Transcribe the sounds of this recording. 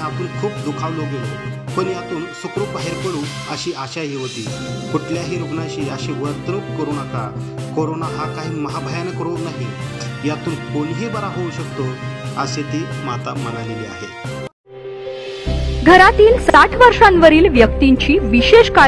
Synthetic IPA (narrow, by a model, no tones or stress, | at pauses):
ap̪uːnkʰuːp̚d̪ukʰaʋloɡelopəɳjat̪uːnsukɾopəɦeɾkəɽuːn | əɕiːʔaɕaɦiːɦot̪iːkuʈʰljaɦiːɾubnaɕiːəɕiːʋəɾt̪nukkəɾuːnaka | koɾonaɦakaɦiːməɦabʱəjanekəɾonaɦi | jat̪uːnkonɦiːbəɾaɦouɕəkt̪oəset̪iːmat̪amənaleliːa̰ɦe | ɡʱəɾat̪iːlsaʈʰʋəɾʂanʋəɾiːlʋjək̚t̪iɲt͡ɕiːʋiɕeʂka